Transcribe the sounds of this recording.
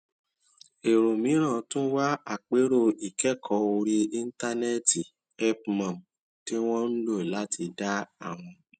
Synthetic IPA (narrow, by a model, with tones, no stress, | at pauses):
e˨ɾo˨mĩ˨˦ɾ̃ã˦˨tũ˦wa˦a˦˨k͡pe˨˦ɾo˧i˨kɛ˦˨kʰɔ˨˦o˧ɾi˧i˦˧n̩˦ta˦nɛ˦ti˨ | ɛ˦pmã˨m | ti˦w̃ɔ̃˦n̩˦lo˦˨la˨˦tʰi˧da˦a˦˨w̃ɔ̃˧